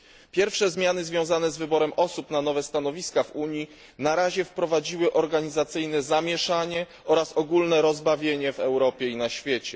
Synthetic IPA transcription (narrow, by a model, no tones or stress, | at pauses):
pʲjɛɾfʂɛzmʲjanɘzvʲjɔ̃w̃zanɛzvɘbɔɾɛmʔɔsupnanɔvɛst̪anɔvʲiskavuɲi | naɾaʑɛfpɾɔvad͡ʑiwɘʔɔɾɡaɲizat̪sɘjnɛzamʲjɛʂaɲɛ | ɔɾasɔɡulnɛɾɔzbavʲjeɲɛvɛwɾɔpʲjɛinaɕfʲjet͡ɕɛ